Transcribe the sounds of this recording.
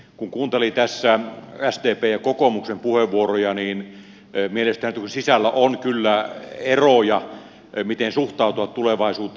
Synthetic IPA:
kuŋkuːnt̪elit̪æsːææst̪eːpeːjɑkokomuksempuheʋʋuorojɑniːn | mielest̪ænyt̪kunsisælːæʔonkylːæerojɑ | mit̪ensuht̪ɑˑut̪uʋɑt̪t̪uleʋɑˑisuːt̪ː

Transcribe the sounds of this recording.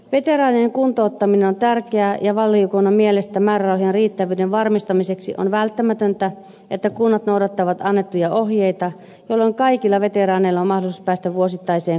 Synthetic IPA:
ʋet̪eɾɑːnieŋkunt̪oːt̪ːɑminenont̪ærkeæjɑʋɑlːiokoinɑmielest̪æmæːrærɑuɦienriːt̪ːæʋyːdeʋʋɑrmist̪ɑmise̞ksiʔo̰nʋælt̪ːæmæt̪ønt̪æ | et̪ːækunːɑt̪nowdɑt̪ːɑʋɑt̪ɑnːet̪ːujɑʔo̞hjeit̪ɑ | jolːoiŋkɑikilːɑʋe̞t̪eɾɑːneilːɑommɑhdolisuspæːst̪æʋuosit̪ːɑise̞ːŋ

